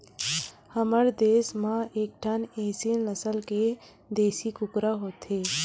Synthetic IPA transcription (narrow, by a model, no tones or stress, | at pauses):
həməɾd̪eːsmãeːk̚ʈʰəneːsinnəsəlke | d̪eːsikʊkɾaɦoːt̪ɦeː